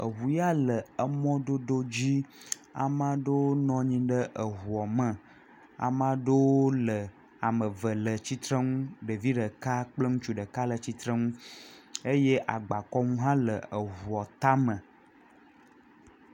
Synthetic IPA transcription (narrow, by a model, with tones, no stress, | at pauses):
ə˨ɦu˨ja˦lə˨ə˦mɔ̃˦d̪o˦d̪o˦d͡ʑi˦ | a̰˨mã˦ɖe˦wo˦nɔ̃˦ɲĩ˦ɖə˦ʔə˨ɦu˨ɔ˨mə̃˦˨ | a̰˨mã˦ɖe˦wo˦lə˨ | a˨mə̃˨və˨lə˨t͡ɕi˦t̪ɾə˦ŋũ˦ɖə˨vi˦ɖə˨ka˦k͡plə˦ŋũ˦t͡ʃu˦ɖə˨ka˦lə˨t͡ɕi˦t̪ɾə˦ŋũ˦ | e˦je˦ʔa˨ɡ͡ba˨kɔ˦ŋũ˦ɦã˦lə˨ə˨ɦu˨ɔ˨t̪a˦mə̃˨